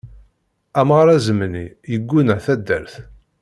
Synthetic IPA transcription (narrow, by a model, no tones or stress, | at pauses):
æmʁɾæzəmnijəɡʷːunəθæd̪ːæɾθ